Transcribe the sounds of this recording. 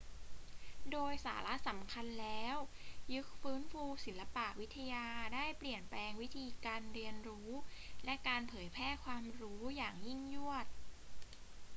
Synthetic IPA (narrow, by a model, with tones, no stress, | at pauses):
doː˧jsa̰ː˩˦la˦˥ʔsa˩˦mkʰa˧nlɛː˦˥wjɯ˦˥k̚fɯː˦˥nfuː˧si˩˦nla˧pa˨˩ʔwi˦˥t̪ʰːa˧jaː˧daː˥˩jpli˨˩ənplɛː˧ŋwi˦˥t̪ʰiː˧kaː˧nɾi˧ənɾuː˦˥lɛ˦˥ʔkaː˧npʰɤː˩˦jpʰɛː˥˩kʰwaː˧mɾuː˦˥jaː˨˩ŋji˥˩ŋju˥˩ət̪̚